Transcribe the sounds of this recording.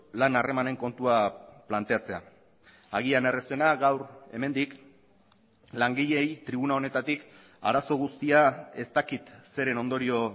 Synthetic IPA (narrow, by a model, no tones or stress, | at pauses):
lanare̞mane̞ŋko̞nt̪uaplant̪e̞at͡se̞a̰ | aɣ̞iane̞rese̞naɣawɾe̞me̞nd̪ik | laŋɡiʎe̞jt̪ɾiβ̞unao̞ne̞t̪at̪ik | a̰ɾaso̞ɣ̞ust̪iae̞st̪akit̪se̞ɾe̞no̞nd̪o̞ɾio̞